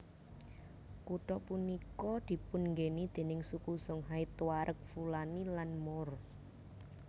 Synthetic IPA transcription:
kuʈɔpunikɔd̪̥i̤pʊnŋɡenid̪̥e̤nɪŋsukusɔŋɦait̪waɾʔək̚fulanilanmɔr

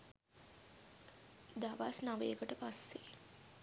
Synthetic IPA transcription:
d̪aʋasnaʋeːkəʈəpasːe

